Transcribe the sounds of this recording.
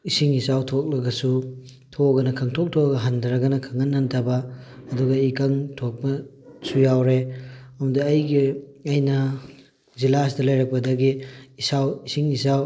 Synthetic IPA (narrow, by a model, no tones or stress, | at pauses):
isiŋisawtʰok̚lɐɡɐsu | tʰoɡɐnɐkʰɐŋtʰok̚tʰoɐɡɐɦandɾɐɡɐnɐkʰɐŋɐnːɐntʰɐbɐːduɡɐikɐŋtʰok̚bɐ | sujawɾeɐmɐdɐːjɡiɐjnɐ | zilas̬dɐlɐjɾɐk̚pɐdɐɡiːsawisiŋisaw